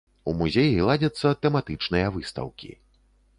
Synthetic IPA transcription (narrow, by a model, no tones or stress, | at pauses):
umuzʲejilˠad͡zʲɐt̪sːɐt̪ɛmat̪ɨt͡ʂnɨjɐvɨst̪ɐ̰wkʲḭ